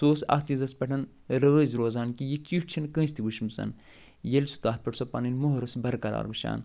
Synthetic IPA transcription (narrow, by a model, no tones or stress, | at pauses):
soːsɐ̰st̪ĩzɐspʲɐʈʰɐn | ɾəːzɾoːzaːnkijit͡ʃiːʂʈt͡ʃʰinkə̃ːs̬ʲt̪ibuʃmɨsɐ̰n | jelsu̥t̪aːt̪̚pɐʈsopɐninmoɦɐɾɐsbɐɾkɐɾa̰ːɾbɨʃa̰ːn